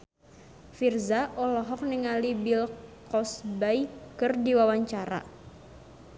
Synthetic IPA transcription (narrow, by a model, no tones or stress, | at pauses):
firzaʔɔlɔɦɔk̚niŋalibilkɔsbajkɨrdiwawaɲt͡ʃaɾa̰